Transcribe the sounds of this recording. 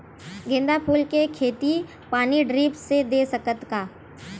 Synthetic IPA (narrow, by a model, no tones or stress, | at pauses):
ɡẽːnd̪apʰuːlkekʰeːt̪i | paːniɖɾiːpsed̪eːsɐkət̪kaː